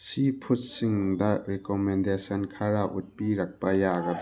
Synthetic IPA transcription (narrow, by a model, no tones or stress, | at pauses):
sipʰut̚siŋdɐɾekomendesɐnkʰaɾaʔṵt̚piɾak̚pɐjaɡɐd